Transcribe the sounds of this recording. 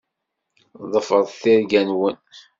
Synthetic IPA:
ðˤəfəɾˤθiɾɡænwən

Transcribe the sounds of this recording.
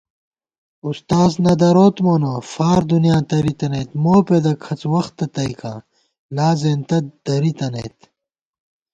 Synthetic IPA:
ust̪aːznɐd̪ɐɾoːt̪moːnoːfaːɾd̪unijãːt̪ɐɾit̪ɐneːt̪moːped̪ɐkʰɐt͡swɐxt̪ːɐt̪ɐikʰã̰ː | laːzeːnt̪ɐd̪̥ɐɾit̪ɐnḛːt̪

